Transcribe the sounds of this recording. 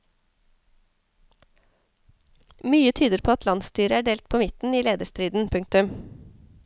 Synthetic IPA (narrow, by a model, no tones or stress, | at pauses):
myːət̪ʰyːd̪əɾpʰoːɑt̪lɑnst̪yːɾəæːɖeːlt̪̚pʰoːmɪt̪n̩iːleːd̪əʃst̪ɾyːd̪n̩pʰʉŋk̚t̪ʉm